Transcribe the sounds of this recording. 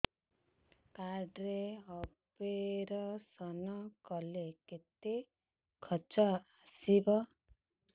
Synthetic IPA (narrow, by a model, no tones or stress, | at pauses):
kaɾɖɾeɔbeɾɔsɔnɔkɔleket̪e | kʰɔt͡ʃɔasibɔ